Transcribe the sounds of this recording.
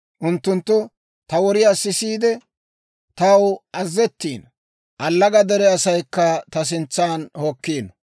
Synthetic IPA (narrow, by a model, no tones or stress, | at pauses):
ʔʊnt̪ːʊnt̪ːʊ | t̪ɐwɔɾɪjaːsɪsiːd̪ɛ | t̪ɐwɐzːɛt̪ːiːn | ʔɐlːɐɡɐd̪ɛɾɛɐsɐjkːɐt̪ɐs̬ɪnt͡sːaːnhokːiːnɔ